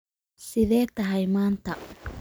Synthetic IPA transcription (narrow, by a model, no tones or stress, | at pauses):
siðet̪aɦajmant̪a